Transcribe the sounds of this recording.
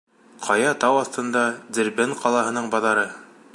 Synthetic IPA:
qʰɑjɑt̪ɑwɑθt̪ɤ̆nd̪ɑd̪ɘ̆ɾbenqʰɑlˠɑɦɤ̆nɤɴbɑðɑɾɤ

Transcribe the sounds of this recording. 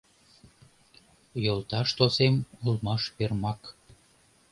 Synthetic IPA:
jolt̪ɑʃt̪osemulmɑʃpermɑk

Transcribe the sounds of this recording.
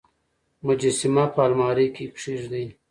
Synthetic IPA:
mud͡ʑisimapaːlmaːɾikipʂiʐd̪ij

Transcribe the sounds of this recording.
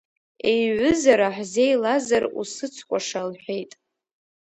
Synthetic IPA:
ejʕʷʊzaɾaħzejlazarṵsɨt͡sʰkʷʼaʂalħʷᶣe̞jtʼ

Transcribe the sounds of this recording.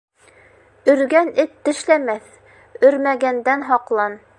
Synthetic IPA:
ɵ̆ɾɡænɘt̪ːɘ̆ʃlæmæθ | ɵ̆ɾmæɡænd̪ænɦɑqlˠɑn

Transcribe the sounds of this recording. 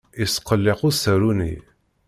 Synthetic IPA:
isqːəlːequsəɾunḭ

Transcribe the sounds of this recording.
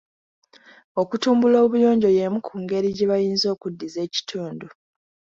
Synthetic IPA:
o̞kutuːmbulo̞ːβujo̞ːɲɟo̞jemukʰuːŋɡe̞ɾiɟeβajiːnzo̞ːkudːize̞ːci̥tʰuːndu

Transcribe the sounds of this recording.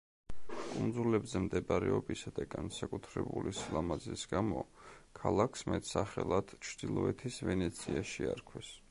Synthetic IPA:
kʼund̪zulɛbzɛmd̪ɛbaɾɛɔbisad̪̥aɡansakʼut̪ʰɾɛbulisilamazisɡamɔkʰalˠakʰsmɛt̪ʰsaχɛlˠad̪̥t͡ʃʰd̪ilˠɔɛt̪ʰisvɛnɛt̪sʰiaʃiaɾkʰwɛs

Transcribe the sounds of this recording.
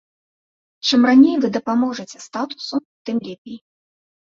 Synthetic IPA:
t͡ʂɨmranʲejvɨd̪ɐpamɔʐɨt͡sʲɛst̪at̪u̥sut̪ɨmlʲepʲej

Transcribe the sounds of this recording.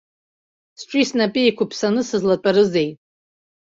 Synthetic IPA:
sʈ͡ʂʷʰʼisnapʼiekʷʰapʰsanɨsɨzlatʼaɾɨzejtʼ

